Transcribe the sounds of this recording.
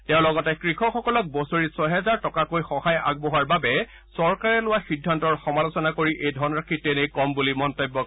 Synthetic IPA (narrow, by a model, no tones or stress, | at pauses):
tɛʊ̃lɔɡɔtɛkɹixɔxɔkɔlɔk̚bɔsoɹisɔɦɛzaɹtɔkakojxɔhaja̰ɡ̚bɔɦaɹbabɛ | sɔɹkaɹɛlʊwaxidʱːantɔɹxɔmalʊsɔnakoɹiʔejdʱɔnɹakʰitenejkɔmbulimɔntɔbːɔk̚